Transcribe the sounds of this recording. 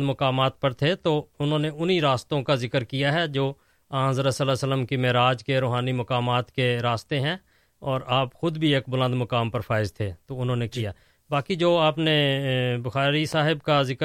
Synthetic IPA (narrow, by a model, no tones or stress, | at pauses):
d̪mɐkaːmaːt̪̚pɐɾt̪ʰet̪oʊnɦõːneʊniɾaːst̪õkazɪkəɾkijaɦɛd͡ʒoː | ãːɦzəɾəsəlasələmkimɛɾaːd͡ʒkeɾoːɦaːnimɐkaːmaːt̪keɾaːst̪eɦɛ̃ | ɔːɾaːpxʊd̪bʱieːk̚bʊlə̃nd̪mɐkaːmpɐɾfʰaːɪzt̪ʰet̪oʊnɦõːnekijaː | baːkid͡ʒoːaːpnebʊxaːɾisaːɦɪbkazɪk